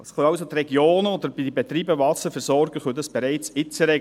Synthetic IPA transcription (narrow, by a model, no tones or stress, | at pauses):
sχœɑwsot̪rɛɡjoːnəɔd̪əɾbidibɛt̪ɾiːbəvɑsəɾfɛɾsɔɾɡəχød̥̪ɑsb̥ɛɾæɪt͡sɪt͡səɾɛ